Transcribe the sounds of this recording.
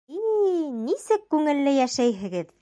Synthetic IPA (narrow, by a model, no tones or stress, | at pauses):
inisɘkːʉŋɘ̆lːɘjæʃæjɦɘ̆ɡɘð